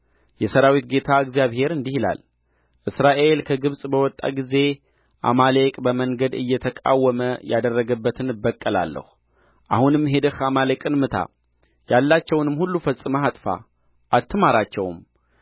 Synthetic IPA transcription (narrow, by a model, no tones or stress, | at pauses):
jɛsəɾawit̪ɡe̞t̪ʰaɨɡzjaβhe̞ɾɨnd̪ihila̰l | ʔɨsɾaʔelkʰəɡɨβsʼbəwɔt̪ʼːa̰ɡize̞ | ʔa̰malekʼbəməŋɡəd̪ɨ̰jːɛt̪ʰəkʼa̰wːəməjad̪ərːəɡəbːət̪ʰɨnɨbːəkʼːəla̰lːə̰hu | ʔahunɨmːɦe̞d̪ɨhamalekʼɨnmɨt̪ʰa̰ | jalːat͡ʃːɛwnɨmːhulːufəsʼɨməat̪ʼfa̰ | ʔat̪ːmaɾat͡ʃːɛwm